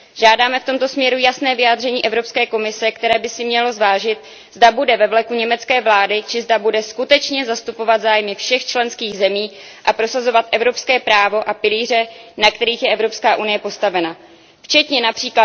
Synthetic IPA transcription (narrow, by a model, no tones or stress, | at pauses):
ʒaːdaːmɛft̪o̞mt̪o̞smɲɛɾujasnɛːvɪjaːd̪r̝ɛɲiːʔɛvɾo̞pskɛːko̞mɪsɛkt̪ɛɾɛːbɪsɪmɲɛlo̞zvaːʒɪt̪̚ | zdabudɛvɛvlɛkuɲɛmɛt͡skɛːvlaːdɪt͡ʃɪzdabudɛskut̪ɛt͡ʃɲɛzast̪upo̞vat̪zaːjmɪfʃɛxt͡ʃlɛnskiːɣzɛmiːʔapɾo̞sazo̞vat̪ʔɛvɾo̞pskɛːpɾaːvo̞ʔapɪliːr̝ɛnakt̪ɛɾiːxjɛɛvɾo̞pskaːʔunɪjɛpo̞st̪avɛna | ft͡ʃɛt̪ɲɛnapr̥iːkla